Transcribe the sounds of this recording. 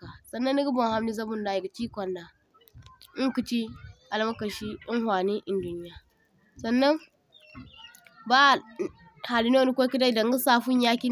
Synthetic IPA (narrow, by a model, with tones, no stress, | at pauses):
a˨sɐ˨nːɐ˦nːi˦ɡu˦bo˨ŋha˦mni˦zɐ˦bu˦nda˨ji˨ɡa˨t͡ʃiː˦kʷɐ˨nda˨ | i˦ŋku˨t͡ʃi˦ʔa˨lmɐ˦kɐ˨ʃi˦i˦ŋɦwa˨ne˦ʔɪ˨ndu˦nɪ˦ja˨ | sɐ˨nːɐ˦ŋ | ba˦˨ | ha˨li˦no˦ni˦kʷo˦ki˦da˦˨dɐ˨ŋɡa˦saː˦ɸu˦ɲja˦kʲi˦